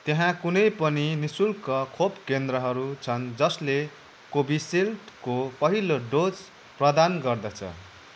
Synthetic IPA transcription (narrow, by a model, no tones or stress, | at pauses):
t̪eɦãkunʌjpʌninisulkʌkʰopkend̪ɾʌɦʌɾut͡sʰʌnd͡zʌsle | kobiselʈkopʌɦiloɖod͡z | prʌd̪anɡʌrd̪ʌt͡sʰʌ̰